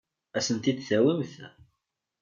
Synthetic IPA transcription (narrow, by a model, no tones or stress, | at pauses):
æsənt̪id̪θæwimθ